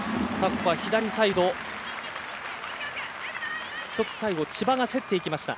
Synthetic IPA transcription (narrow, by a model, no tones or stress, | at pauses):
sakːoβaçid̪aɾʲisaiɡo̞ | ç̥t̪o̞t͡sɨ̥saiɡo̞t͡ɕibaɡase̞t̪ːe̞ikʲimaɕi̥t̪a̰